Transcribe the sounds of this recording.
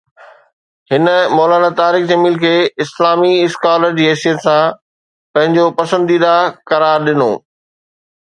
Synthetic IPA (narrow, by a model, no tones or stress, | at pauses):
hɪnəmɔːlaːnat̪aːɾɪkd͡ʑɐmiːlkʰeːɪslaːmiɪskaːləɾd͡ʑiːɦeːsijət̪sã | pɐ̃ɦɪ̃ɲd͡ʑopɐsə̃nd̪iːd̪akɐɾaːɾɗɪno̰ː